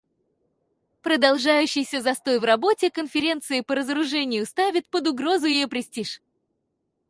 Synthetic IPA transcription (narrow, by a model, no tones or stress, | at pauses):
pɾəd̪ɐlˠʐajʉɕːɪjsʲəzɐst̪o̞jvrɐbo̞tʲɪkənfʲɪɾʲe̞nt̪sɨɪpəɾəzəɾʊʐɛnʲɪjʊst̪avʲɪt̪̚pəd̪ʊɡɾo̞zʊjɪjopɾʲɪsʲtʲiʂ